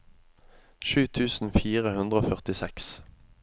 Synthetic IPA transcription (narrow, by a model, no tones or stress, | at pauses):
ʃʉːt̪ʰʉːsn̩fiːʁəhʉnd̪ʁəoːfœʁt̪ɪsɛks